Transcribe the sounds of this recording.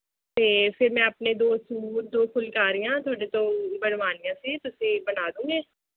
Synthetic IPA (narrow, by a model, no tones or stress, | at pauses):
t̪eːpʰɪɾmɛ̃ːəpneːd̪oːsuld̪oːkʰʊlkaːɾɪjãːt̪ʰʊaːɖeːt̪õːbənʋaːnɪjãːseːt̪ʊsĩːbənaːd̪ũːɡeː